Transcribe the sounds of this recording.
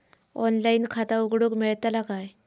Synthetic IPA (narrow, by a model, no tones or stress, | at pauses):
ɔnlainkʰat̪auɡɽukmeɭt̪alakaj